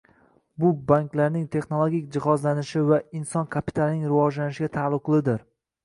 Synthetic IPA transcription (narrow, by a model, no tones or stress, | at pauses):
bʊbaŋklaɾnɪŋt̪ʰe̞χnolˠoɡʲikʲd͡ʒɪχɒzlanɪʃɪvaɪnsɒnkʰapi̥t̪ʰalˠnɪŋɾɪvɒd͡ʒlanɪʃɪɡʲat̪ʰalˠːʊqlˠɪd̪ɪɾ